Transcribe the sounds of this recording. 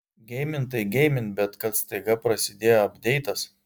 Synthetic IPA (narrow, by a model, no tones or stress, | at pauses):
ɡʲɛɪmʲɪnt̪ɐɪɡʲɛɪmʲɪnt̪bʲɛt̪kɐt̪st̪ɐɪɡɐpɾɐsʲɪd̪ʲeːjoɐbʲd̪ʲɛɪt̪ɐs